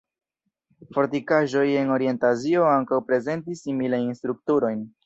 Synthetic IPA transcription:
fo̞ɾtikaʒo̞je̞no̞ɾie̞ntazio̞aŋkawpɾe̞ze̞ntisːimilajinstɾuk̚tuɾo̞jn

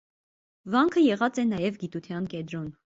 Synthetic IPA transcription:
vɑŋkʰəjɛʁɑt͡sɛnɑjɛvɡit̪ut̪ʰjɑnkɛd̪ɾɔn

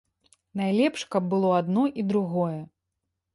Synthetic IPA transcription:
najlʲɛpʂkɐb̚ːɨlˠɔad̪nɔʔid̪ɾuɣɔjɛ

